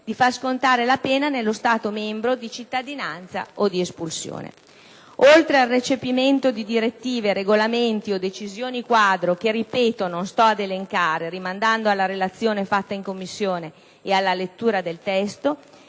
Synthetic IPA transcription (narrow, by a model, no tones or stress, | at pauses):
d̪̥ifarskont̪aːɾelapɛːnanelːost̪aːt̪omɛmbɾod̪it͡ʃit̪ːad̪inant̪sa̰ʔod̪iespulsjo̰ːnḛ | olt̪ɾealret͡ʃepiment̪od̪id̪iɾet̪ːiːveɾeɡolament̪iod̪et͡ʃizjoːnikwaːd̪ɾokeripɛːt̪ononst̪ɔad̪eleŋkaːɾerimand̪and̪oalːaɾelat̪sːjoːnefat̪ːaiŋkomːisːjoːneː | alːalet̪ːuːɾad̪elt̪ɛst̪o